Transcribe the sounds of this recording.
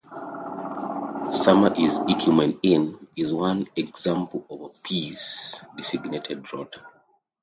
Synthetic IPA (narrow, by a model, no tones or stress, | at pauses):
sʌməʔizikʰjumɛ̃nɪ̃nizwãnɛɡz̥ãmpl̩ɔvəpʰisdisiɡnetʰɛdɹɔtʰə